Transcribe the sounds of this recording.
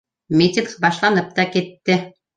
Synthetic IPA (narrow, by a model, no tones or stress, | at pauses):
mʲitʲɪŋqbɑʃlˠɑnɤp̚t̪ɑkit̪ːɘ